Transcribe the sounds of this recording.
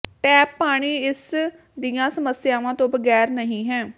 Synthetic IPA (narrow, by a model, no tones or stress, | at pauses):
ʈɛːpːaːɽ̃iːɪs | d̪ijãːsəməsɪjaːʋãːt̪õːbəɡɛːɾnəɦĩːɦɛ̃ː